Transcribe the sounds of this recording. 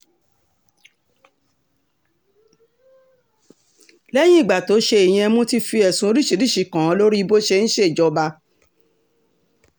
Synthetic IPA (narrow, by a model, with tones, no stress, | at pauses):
lɛ˦j̃ĩ˦i˦˨ɡ͡ba˨to˨˦ʃe˧e˨j̃ĩ˧ɛ˧mõ˦ti˧fi˧ɛ˨sũ˧˦o˧ɾi˦ʃi˧˦ɾi˦˨ʃi˨kã˨˦˨lo˦ɾi˦˧bo˦ʃe˧ñ̩˦ʃe˦i˨d͡ʒɔ˧ba˧